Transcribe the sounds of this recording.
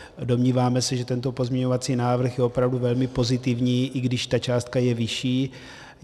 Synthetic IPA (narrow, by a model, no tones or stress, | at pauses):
do̞mɲiːvaːmɛsɛʒɛt̪ɛnt̪o̞po̞zmɲɛɲo̞vat͡siːnaːvr̩xjɛo̞pɾavduvɛlmɪpo̞zɪt̪ɪvɲiːʔɪɡdɪʃt̪at͡ʃaːst̪̚kajɛvɪʃiː